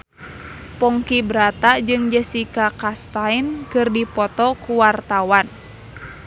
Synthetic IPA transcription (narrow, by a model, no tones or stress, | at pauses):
pɔŋkibɾat̪ad͡ʒɨŋd͡ʒəsikakast̪ainkɨrdipɔt̪ɔkuwart̪awan